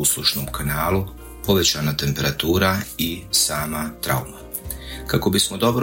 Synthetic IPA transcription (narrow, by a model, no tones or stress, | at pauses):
uslˠuʃnomkanaːlu | po̞ʋe̞t͡ɕanat̪e̞mpe̞ɾat̪uːɾaisaːmat̪ɾa̰uma | kako̞bismod̪o̞bɾ